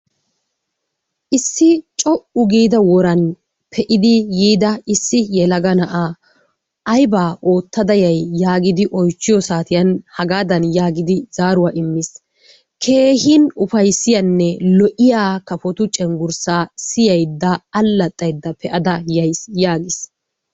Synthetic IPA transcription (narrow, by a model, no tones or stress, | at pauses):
ʔɪsːɪt͡ʃʼɔʔʊɡiːd̪ɐwɔɾɐn | pʰɛʔɪd̪ɪjiːd̪ɐɪsːɪjɛlɐɡɐnɐʔaː | ʔɐjbaːʔoːt̪ːɐd̪ɐjɐjːaːɡɪd̪ɪʔɔjt͡ʃːɪjɔsaːt̪ɪjɐnhɐɡaːd̪ɐnjaːɡɪd̪ɪz̥aːɾʊwaːʔɪmːɪs | kʰe̞ːhɪnʊfɐjsːɪjɐnːɛlɔʔɪjaːkɐfɔt̪ʊt͡ʃʼɛŋɡʊɾsaːsɪjɐjd̪ːɐːlːɐt̪ʼːɐjd̪ːɐpʰɛʔɐd̪ɐjɐjsjaːɡɪs